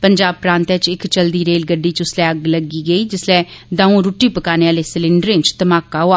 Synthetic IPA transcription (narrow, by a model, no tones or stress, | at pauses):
pəɲd͡ʒaːb̚pɾãːnt̪ɛ̃t͡ʃɪkt͡ʃəld̪iːɾeːlɡəɖːiːt͡ʃʊslɛːəɡləɡiːɡəiːd͡ʒɪslɛːd̪ãːũːɾuːʈiːpəkaːneːaːleːsɪlɪɳɖəɾẽɲt͡ʃt̪əmaːkaːɦoaː